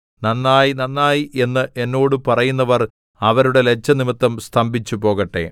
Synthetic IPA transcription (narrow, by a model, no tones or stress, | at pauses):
nɐnːaːjnɐnːaːjiʔe̞nːɨʔe̞nːo̞ːɽɨpɐrɐjunːɐʋɐr | ɐʋɐɾuɽe̞le̞t͡ɕːɐnimit̪ːɐmst̪ʰɐmbʱit͡ɕːupo̞ːɣɐʈːe̞̰